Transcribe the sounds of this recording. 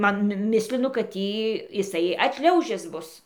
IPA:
ˈmɐn ˈmʲɪsʲlʲɪnʊ kɐt ˈtʲiː jɪˈsɐɪ ɐtʲˈʃʲlʲɛʊʒʲɪs ˈbʊs

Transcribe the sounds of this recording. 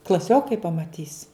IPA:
klˠɐˈsʲoːkɐɪ pɐmɐˈtʲiːs

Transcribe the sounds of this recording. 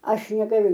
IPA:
ˈɐʃ nʲɛɡɐˈlʲʊ

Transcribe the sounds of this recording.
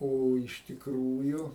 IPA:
ˈoː ɪʃ tʲɪkˈruːjʊ

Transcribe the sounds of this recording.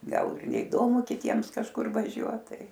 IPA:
ˈɡɐlˠ ɪr nʲɛɪˈdoːmʊ kʲɪˈtʲiɛms kɐʃˈkʊr ʋɐˈʒʲuɔt ˈtɐɪ

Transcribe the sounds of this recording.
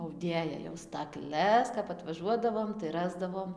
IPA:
ɐʊˈdʲeːjɛ jɛʊ stɐkˈlʲɛs kɐp ɐtʋɐˈʒuɔdɐʋoːm tɐɪ ˈrɑːzdɐʋoːm

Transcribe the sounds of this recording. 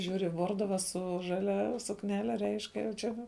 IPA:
ˈʒʲuːrʲɪ ˈʋoːrdʊʋɐ sʊ ʒɐˈlʲɛ sʊkˈnʲæːlʲɛ rʲɛɪʃk jɛʊ ˈt͡ʃʲɛ

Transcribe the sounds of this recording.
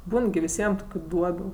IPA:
ˈbuːn ɡʲɪ ʋʲɪˈsʲiɛm ˈtoːkʲʊ ˈduɔbʲʊ

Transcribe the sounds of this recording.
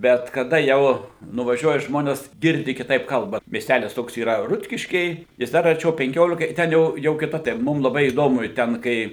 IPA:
ˈbʲɛt kɐˈdɐ ˈjɛʊ nʊʋɐˈʒʲuɔjɛ ˈʒmoːnʲɛs ˈɡʲɪrʲdʲɪ kʲɪˈtɐɪp ˈkɐlˠbɐ mʲiɛsʲˈtʲælʲɪs ˈtoːks iːˈrɐ ˈrʊtʲkʲɪʃʲkʲɛɪ jɪs ˈdɐr ɐrʲˈt͡ʃʲɛʊ pʲɛŋʲˈkʲoːlʲɪkɐ ɪ ˈtʲɛn jɛʊ jɛʊ kʲɪˈtɐ tɐɪ ˈmʊm lˠɐˈbɐɪ iːˈdoːmʊ ɪ ˈtʲɛn kɐɪ

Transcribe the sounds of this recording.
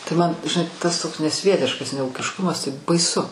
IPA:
tɐɪ mɐn ʒʲɪˈnɐɪ tɐs ˈtoːks nʲɛˈsʲʋʲiɛtʲɪʃkɐs nʲɛuːkʲɪʃˈkʊmɐs tɐɪ bɐɪˈsʊ

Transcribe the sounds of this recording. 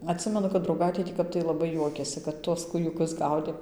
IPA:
ɐtʲˈsʲɪmʲɛnʊ kɐt drɐʊˈɡɐɪtʲeː tʲiː ˈkɐp tɐɪ lˠɐˈbɐɪ juɔkʲeːsʲɪ kɐt ˈtuɔs kuːjʊˈkʊs ˈɡɐʊdʲeːm

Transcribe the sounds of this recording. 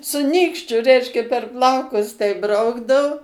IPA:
sʊ ˈnʲiːkʃʲt͡ʃʲʊ ˈrʲɛɪʃʲkʲɛ pʲɛr ˈplˠɐʊkʊs tʲɛɪp ˈbrɐʊɡdɐʊ

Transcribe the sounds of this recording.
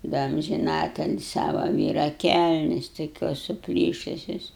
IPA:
ˈdɐ ɐmʲʒʲɪˈnɑːtʲɛlʲɪ ˈsɑːʋɐ ˈʋʲiːrɐ ˈkʲælʲnʲɛs toːˈkʲoːs sʊˈpʲlʲiːʃʊsʲoːs

